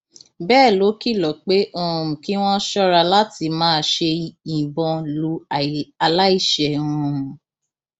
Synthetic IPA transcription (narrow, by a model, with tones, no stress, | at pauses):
bɛː˦˨lo˨˦ki˦˨lɔ˨k͡pe˦ʔo˧˨˧ũ˨ki˨˦w̃ɔ̃˦ʃɔ˦ɾa˧la˦ti˧mãː˦ʃe˧i˨bɔ̃˧lu˨˦a˧la˦i˦˨ʃɛ˨ɔ̃˨